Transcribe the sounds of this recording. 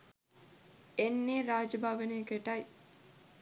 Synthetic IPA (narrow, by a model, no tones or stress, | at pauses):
enːeːɾaːd͡ʒɐbʱaːʋɐneːkeʈɐj